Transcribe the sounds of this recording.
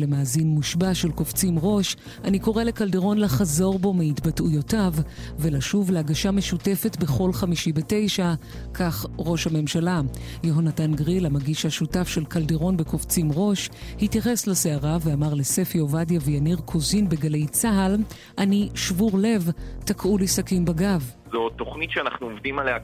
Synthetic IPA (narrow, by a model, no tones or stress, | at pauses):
le̞maːzinmuʃbaʃe̞lkoft͡simʁo̞ʃ | aniko̞ʁelekaldeʁo̞nlaχazo̞ʁbo̞meitbatujo̞tavve̞laʃuvleaɡaʃameʃute̞fe̞tbe̞χo̞lχamiʃibete̞jʃa | kʰaχʁo̞ʃhame̞mʃalajoɦonatanɡʁilamaɡiʃhaʃutafʃe̞lkaldeʁo̞nbe̞koft͡simʁo̞ʃhitjaχeslaseaʁaveamaʁlese̞fjovadjavejaniʁkʰozinbeɡale̞jt͡saɦal | ʔaniʃvuʁle̞vtakʰʔulisakimbaɡavzo̞to̞χnitʃeanaχnuovdimalea